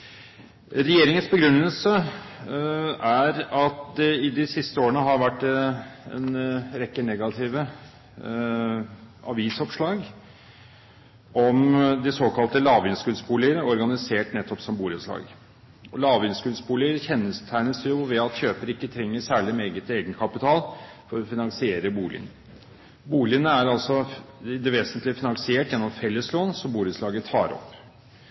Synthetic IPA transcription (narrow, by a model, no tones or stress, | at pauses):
ɾɛjeːɾɪŋənsbəɡɾʉnːəlsə | æɾɑt̪ɪd̪ɪsɪst̪əoːəɳəɦɑɾʋæʈːɛnɾɛkːənɛɡɑt̪ʰɪːʋə | ɑ̰ʋiːsɔpʂlɑːɡ | ʔɔmd̪ɪsoːkɑlt̪əlɑːʋɪnskʉlspuːlɪəɾɔɾɡɑnɪseːʈnɛt̪ːɔpsɔmbuːlət̪slɑ̰ːɡ | ɔlɑːʋɪnskʉlsbuːlɪəɾçɛnːəst̪ʰæɪnəsjʊʋɛɑt̪çøːpəɾɪkːət̪ʰɾɛŋːəsæːɭɪmɛeːɡət̪eːɡənkʰɑpɪt̪ʰɑːl | fɔɾɔfɪnɑŋsɪeːɾəbuːlɪ̰ənə | buːlɪənəæɾɑlsɔd̪ɛʋeːsənt̪lɪfɪnɑŋsɪeːʈjɛnːɔmfɛlːəsloːnsɔmbuːləslɑːɡət̪ʰɑ̰ːɾɔ̰pː